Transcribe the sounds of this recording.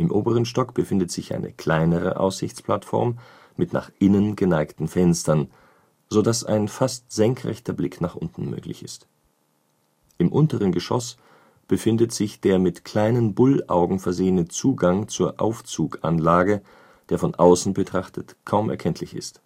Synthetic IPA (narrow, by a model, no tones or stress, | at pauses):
ʔɪmʔoːbəʁ̞ənʃtɔkb̥əfɪndətz̥ɪçʔa̰ɪnʔə̰kl̥aɪnəʁ̞ə̰ʔa̰ʊsz̥ɪçt͡spʰl̥atfɔ̰ɐmː | ɪtna̰ːχʔɪnənɡənaɪktn̩fɛnstɐn | z̥odasa̰ɪnfastz̥ɛŋkʁɛ̰çtɐblɪknaːχʔʊ̰ntn̩mø̰ːklɪçɪ̰st | ʔɪmʔʊntəʁ̞ənɡəʃɔ̰s | b̥əfɪndətz̥ɪçd̥eːɐmɪtkʰl̥aɪnənbʊlaʊɡŋ̩fɛɐzeːənət͡suːɡaŋt͡suːɐʔa̰ʊft͡suːkʔa̰nlaːɡə | d̥eːɐfɔnʔaʊsn̩bətʁ̥aχtʰətkʰaʊmʔɛ̰ɐkʰɛntʰlɪçɪ̰st